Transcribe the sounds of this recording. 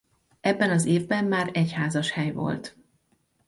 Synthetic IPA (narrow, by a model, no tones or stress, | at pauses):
ɛbːɛnɒzeːvbɛmːaːɾɛchaːzɒʃhɛjvo̞̰lt̪